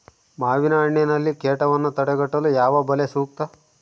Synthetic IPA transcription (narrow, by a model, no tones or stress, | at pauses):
maːʋinaːɳenɐlːikeːʈɐʋɐnːut̪ɐɽeɡɐʈːɐlujaːʋɐbɐlesuːk̚t̪ɐ